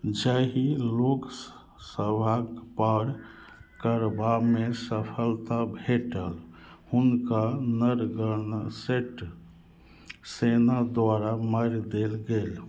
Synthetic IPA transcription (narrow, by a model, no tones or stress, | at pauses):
d͡ʒəɦilok | səbʱapəɾ | kəɾbamesəpʰəlt̪abʱeʈəlhunkanəɾɡəɾnseʈ | senad̪ʋaɾaməɾd̪elɡel